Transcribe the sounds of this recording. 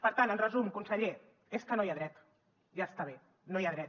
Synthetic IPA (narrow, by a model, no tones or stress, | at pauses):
pəɾt̪anənrəzumkunsəʎe | eskənojaðɾɛt̪ | ʒast̪aβ̞e | nojaðɾɛt̪